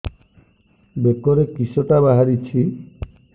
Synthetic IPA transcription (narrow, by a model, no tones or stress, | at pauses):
bekɔɾekisoʈabaɦaɾit͡ʃʰi